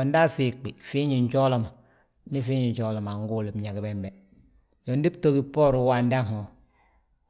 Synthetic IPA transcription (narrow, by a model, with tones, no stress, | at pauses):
jɔ˨n˦da˦si˨k͡pi˨fi˦ɲi˨ɲ˦d͡ʒɔ˦lɔ˦ma˨ | ni˦fi˦ɲi˨ɲ˨d͡ʒɔ˦lɔ˨ma˨ŋ˦ɡu˦˨li˨bɲa˨ɡi˨bɛ˦mbɛ˨ | jɔ˨ndi˦bto˦ɡi˦pɔ˦˨ɾu˨˦wa˨n˦da˦ŋɔ˨